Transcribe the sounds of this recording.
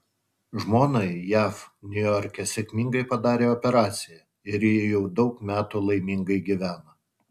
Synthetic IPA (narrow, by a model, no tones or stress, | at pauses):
ʒmoːnɐɪjæfnʲʊjɔɾʲkʲɛsʲɛkʲmʲɪŋɡɐɪpɐd̪ɑːɾʲeːɔpʲɛɾɑːt̪sʲɪjɛ | ɪɾjɪjɛʊd̪ɒʊkmʲæːt̪uːlˠɐɪmʲiŋɡɐɪɡʲiʋʲæːnɐ